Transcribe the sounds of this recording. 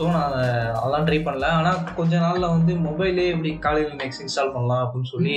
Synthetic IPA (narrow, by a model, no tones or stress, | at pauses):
oːnaɐ̰ðlãːʈɾiːpɐɳːɐlɐaːnaːkɔɲd͡ʒɐnaːllɐʋɐnd̪ɯmɔbɐɪleːɪp̬ːɐɽikaːlɪlnɛksɪ̃nstaːlpɐɳːɐlãːɐpːɐɪnːɯsɔlːi